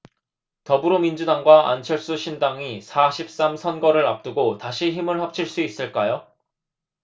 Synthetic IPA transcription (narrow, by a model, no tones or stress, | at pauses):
tʌbɯɾomind͡ʑudaŋɡwaʔa̰nt͡ɕʰʌɭs͈uɕʰindaŋisʰaɕʰip̚s͈amsʰʌnɡʌɾɯɾap̚t͈uɡotaɕʰiçimɯɭhap̚t͡ɕʰiɭs͈uis͈ɯɭk͈ajo